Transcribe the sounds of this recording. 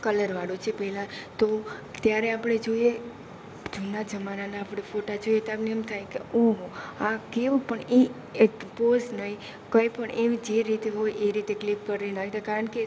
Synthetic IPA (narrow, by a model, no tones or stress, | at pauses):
kələɾʋaɽut͡ʃʰepɛɦlãt̪ot̪jaɾeapɽ̃ed͡ʒoije | d͡ʒunad͡ʒəmananaːpɽ̃efoʈad͡ʒoiet̪apneəmt̪ʰajkeoɦakeʋõpəɳe | ekpoznəɦi | kə̃ipəɳʔeʋd͡ʒeɾit̪eɦojeɾit̪eklipkəɾinait̪akaɾəɳke